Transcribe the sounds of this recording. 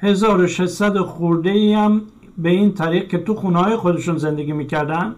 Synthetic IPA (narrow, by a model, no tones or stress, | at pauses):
he̞zɒːɾoʃeʃsæd̪oxuɾd̪eiæm | beiːnt̪ʰæɾiːq̚kʰe̞t̪uxuːnehɒːjexod̪eʃunze̞nd̪eɡiːmiːcʰæɾd̪ænd̪̥